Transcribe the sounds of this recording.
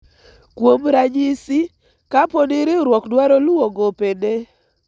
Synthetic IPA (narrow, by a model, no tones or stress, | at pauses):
kwomɾaɲisɪ | kaponɪɾɪɾwɔkdwaɾoluoɡopene